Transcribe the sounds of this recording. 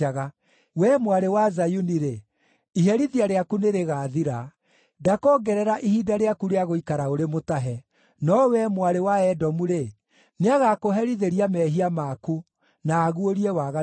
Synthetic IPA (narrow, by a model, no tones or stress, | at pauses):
aɣa | wɛmwaɾewazajuniɾe | iɦɛɾiðiaɾeakuneɾeɣaːðiɾa | dakɔːɡɛɾɛɾaʔihidaɾeakuɾeaɣoikaɾaoɾemotaɦɛ | nɔwɛmwaɾewaɛdɔmuɾe | neaɣakoɦɛɾiðeɾiamɛːɦiamaku | naːɣuoɾiɛwaɣa